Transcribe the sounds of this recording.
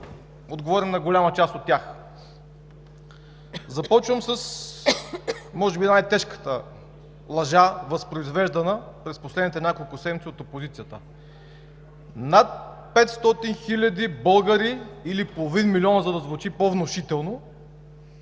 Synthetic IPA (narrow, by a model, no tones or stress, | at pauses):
od̪ɡovɔɾɛmnɐɡolʲamɐt͡ʃast̪ot̪ːʲjax | zɐpɔt͡ʃvəmsəs | mɔʒɛbinajt̪ɛʃkə̥t̪ə | lˠɐʒavɐspɾoizvɛʒd̪ɐnəpɾɛsposlɛd̪nit̪ɛnʲakolˠkʊsɛd̪mit̪siot̪opozit̪sijət̪ə | nat̪̚ | pɛt̪st̪ɔt̪inxilʲɐd̪ibɤlˠɡəɾiːlipolˠovinmilʲiɔnəzɐd̪ɐzvʊt͡ʃipovnoʃit̪ɛlˠno